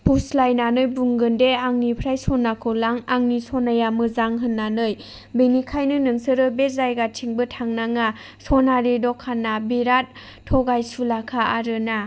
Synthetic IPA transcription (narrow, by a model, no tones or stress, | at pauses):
pʰuslajnanɯjbuŋɡɯndeaŋnipʰɾajsɔnːakʰolaŋaŋnisɔnajamɯzaŋɦɯnːanɯj | benikʰajnɯnɯŋsɯɾɯbezajɡatʰiŋbɯtʰaŋnaŋa | sɔnaɾidɔkʰːanːabiɾat̚ʰː | ɔɡajsulakʰaaɾɯna